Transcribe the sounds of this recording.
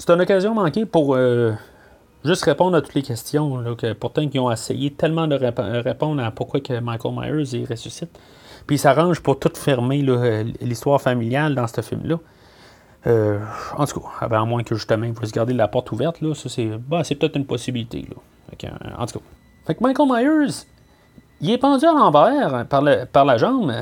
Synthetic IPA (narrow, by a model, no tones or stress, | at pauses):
se̥t̪ynɔkazjɔ̃mɑ̃ːkʲepuʁø | ʒʏst̪ʁepɔ̃d̪ʁat̪ʊ̥t̪lekʲɛst̪jɔ̃lɔkʲəpuʁt̪ɑ̃kiɔ̃esɛ̰jet̪ɛlmɑ̃d̪əʁepd̪əʁepɔ̃d̪ʁapʊʁkwakəmajkɔlma̰jə˞zeʁesysɪt̪ | pisaʁɑ̃ʒpʊʁt̪ʊt̪fɛʁmelɔlist̪waːʁfamiljald̪ɑ̃st̪əfɪ̰lmlɔ | øɑ̰̃t̪u̥kʰɔ̥̰bɛamwɛ̃kəʒyst̪əmɑ̃ivəs̬ɡaʁd̪elapɔʁt̪ʰuvɛʁt̪lɔsɔsɛbɛsepə̥t̪ɛt̪ynpɔsibilit̪ʰḛlɔ̰ | fa̰kə̰̃ɑ̰̃t̪u̥kʰɔ̥ | fakmajkəmajə˞z | iɛpɑ̃d͡zyalɑ̃vɛːʁpaʁləpaʁlaʒɑ̃b